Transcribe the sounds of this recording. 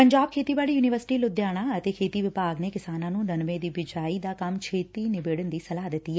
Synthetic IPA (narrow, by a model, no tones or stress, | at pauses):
pəɲd͡ʒaːb̚kʰeːt̪iːbaːɽiːjuːnɪʋəɾsɪ̥ʈiːlʊd̪jaːɽ̃ãːət̪eːkʰeːt̪iːʋɪpaːɡneːkɪsaːnãːnũːnənʋẽd̪iːbɪd͡ʒaːid̪aːkɐmt͡ʃʰeːt̪iːnɪbeːɽənd̪iːsəlaːd̪ɪt̪ːiːɛː